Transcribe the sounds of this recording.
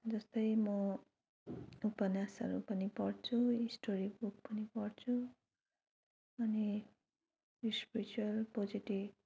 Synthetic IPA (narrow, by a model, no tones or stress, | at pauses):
d͡zʌst̪ʌjmʌ | upʌnjasʌ̰ɾṵpʌnipʌrt͡sʰuisʈoɾibuk̚pʌnipʌɽt͡sʰu | ʌni | ispiɾit͡suwʌlpod͡ziʈib